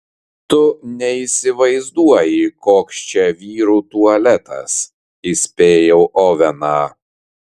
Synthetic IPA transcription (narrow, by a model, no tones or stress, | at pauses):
t̪ʊnʲɛiːsʲɪʋɐɪzd̪uɔjɪkoːkst͡ʃʲɛʋʲiːɾuːt̪uɐlʲɛt̪ɐ̰s | isʲpʲeːjɛʊʔɔːʋʲɛnɑː